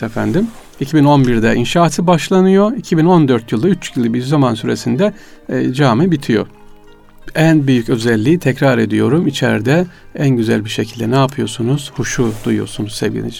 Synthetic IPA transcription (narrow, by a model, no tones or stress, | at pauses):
efænd̪im | icʰibino̞nbiɾd̪ɛʔinʃaːt̪ʰɯbaʃlˠanɯjoicʰibino̞nd̪ø̞ɾt̪ʰjɯlˠd̪ayt͡ʃjilʲˠibiɾzamansyɾesind̪ɛ | d͡ʒaːmɯbit̪ʰijo̞̰ | ænbyjycø̞zɛlʲːiːt̪ʰɛcɾaɾe̞d̪ijo̞ɾumit͡ʃʰɛ̰ɾd̪ɛænɟyzæ̰lʲbiʃe̞cʰilʲd̪ɛnaːpʰɯjo̞sunuz̥huʃud̪ujuo̰ɾsunuzsɛ̰vɡɟḭnḭd͡ʒ